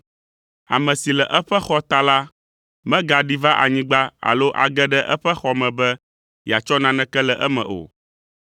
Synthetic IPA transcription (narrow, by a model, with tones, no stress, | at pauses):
a̰˨mɛ̃˨si˨lɛ˨ʔɛ˦ɸɛ˦xɔ˦t̪a˦la˦ | mɛ̃˦ɡa˨ɖi˦va˦ʔa̰˨ɲĩ˦ɡ͡ba˦a̰˨lo˦ʔa̰˨ɡɛ˦ɖɛ˦ʔɛ˦ɸɛ˦xɔ˦mɛ̃˨bɛ˦ | ji˨a˨t͡ʃɔ˦nã˦nɛ̃˦kɛ˦lɛ˨ʔɛ˦mɛ̰̃˨ʔo̰˨